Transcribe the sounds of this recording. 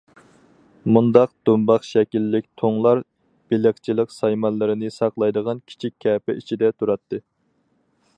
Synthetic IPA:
mund̪ɑq̚d̪̥umbɑχʃɛkʲilːɪk̚ʲt̪ʰoŋlˠɑɾ | b̥ɪlɪχt͡ʃʰilˠəqsɑjmɑnlˠɨɾɨnɨsɑqlˠɑjd̪əʁɑnkʲʰi̥t͡ʃʰikʲʰːɛːpɪ̰it͡ʃʰid̪ɛt̪ʰuɾɑt̪ʰːɨ

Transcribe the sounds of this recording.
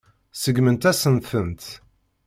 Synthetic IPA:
səɡmənt̪æsənθənt̪

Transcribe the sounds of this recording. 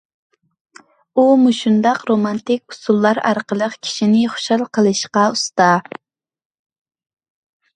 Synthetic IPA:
umuʃund̪ɑqɾomɑnt̪ɪkʲu̥sulˠːɑɾɑ̰ɾqəlˠəqkʲʰi̥ʃinɪχʊ̥ʃɑlˠqʰəlˠɨʃqɑust̪ɑ

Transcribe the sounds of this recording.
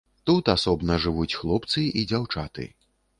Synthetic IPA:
t̪ut̪asɔbnɐʐɨvut͡sʲxlˠɔpt̪sɨʔid͡zʲawt͡ʂat̪ɨ̰

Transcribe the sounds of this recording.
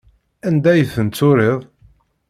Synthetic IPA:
ænd̪æjəθənt͡sːʊɾeðˤ

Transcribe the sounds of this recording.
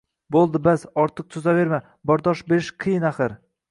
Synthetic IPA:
bolˠd̪ɪbazɒɾt̪ʰɨq̚t̪ʰɵzave̞ɾma | bɒɾd̪ɒʃbe̞ɾɪʃqʰɨjɪnaχɨɾ

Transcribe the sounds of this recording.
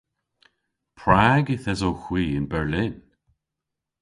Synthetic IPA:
pʰɹaɡɪθɛzowxw̥iːɪnbɛɹlɪn

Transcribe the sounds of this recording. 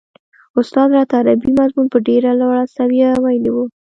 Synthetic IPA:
ʊst̪ɑd̪ɾɑt̪aɾabimazmunpəɖeɾalwaɽasawjawajliwu

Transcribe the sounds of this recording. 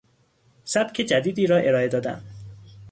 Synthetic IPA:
sæb̥cʰe̞d͡ʒæd̪iːd̪iːɾɒːʔe̞ɾɒːe̞d̪ɒːd̪æ̰m

